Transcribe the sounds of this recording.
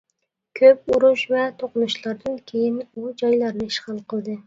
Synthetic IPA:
kʲʰøp̚uɾuʃvɛt̪ʰoqʊnuʃlˠɑɾd̪ɨnkʲʰejinud͡ʒɑjlˠɑɾnɨiʃχɑlˠqəlˠd̪ɨ

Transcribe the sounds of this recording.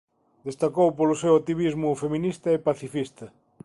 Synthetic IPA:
d̪est̪akowpolʊsewat̪iβ̞izmʊfeminist̪ɐepaθifist̪ɐ

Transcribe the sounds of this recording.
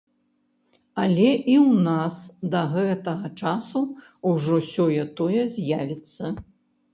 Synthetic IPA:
ɐlʲɛʔiwnasd̪ɐɣɛt̪ɐɣɐt͡ʂasu | uʐɔsʲɔjɐt̪ɔjɛzʲjavʲit̪sːɐ

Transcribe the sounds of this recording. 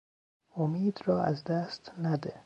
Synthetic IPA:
omiːd̪ɾɒːæzd̪æst̪næd̪e

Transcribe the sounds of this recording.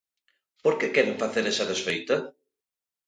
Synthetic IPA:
poɾkekɛɾeɱfaθeɾɛsɐðesfejt̪ɐ

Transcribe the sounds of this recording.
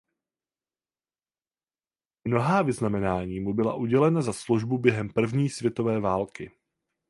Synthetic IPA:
mno̞ɦaːvɪznamɛnaːɲiːmubɪla̰ʔuɟɛlɛnazasluʒbubjɛɦɛmpr̩vɲiːsvʲjɛt̪o̞vɛːvaːlkɪ

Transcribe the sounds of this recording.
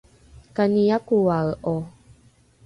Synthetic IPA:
kanijakuwaʔo

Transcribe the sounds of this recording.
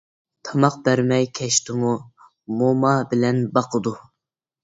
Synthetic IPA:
t̪ʰɑmɑq̚bæɾmɛjkʲʰɛʃt̪ɪmu | momɑbɪlɛnbɑqʰəd̪u

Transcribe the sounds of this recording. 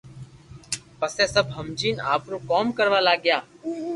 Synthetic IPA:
pəseːsəbʱɦəmd͡ʒiːnaːpɾoːkoːmkəɾʋaːlaːɡjaː

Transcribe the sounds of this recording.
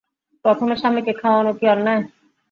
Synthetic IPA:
pɾɔt̪ʰomeɾʃamːekekʰaoanokiɔɾna

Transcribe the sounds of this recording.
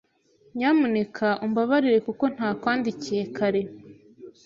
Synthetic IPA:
ɲamunekʰaʔumbaβaɾiɾe̞kuko̞n̥haːkwaːndicije̞kaɾe̞

